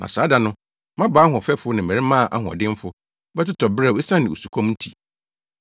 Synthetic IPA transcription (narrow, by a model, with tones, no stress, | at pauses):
nʔã̰˨saː˨˦da˨nʊ̃˦ | mã˦ba˨˦ɦɔ̃˨fɛ˦fʊ˦nɪ̃˨m˨ɛ̃˨ɾi˦mã˦˨ʔa˦ɦʊ̃˨ɔ̰˨dɪ̃˦m˦fʊ˦ | bɛ˦tɪ˦tʰɔ˨bɾɛ˦˨e˦sã˦nɪ̃˨o˨su˨kʷʰɔ̃˦mn̩˦tʰḭ˨